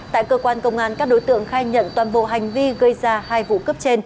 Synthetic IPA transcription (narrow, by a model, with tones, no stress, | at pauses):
t̪a̰ː˧˨jkəː˧kwaː˧nkə˧wŋ͡mʔaː˧˩nkaː˦˥k̚ɗo˨˦jt̪ɨ̰˧˨əŋxaː˧jɲə̰˧˨nt̪waː˨˩nɓo̰˧˨ɦa˨˩jŋ̟vi˧ɣə˧jzaː˧haː˧jvṵ˧˨kə˦˥p̚t͡ɕe˧n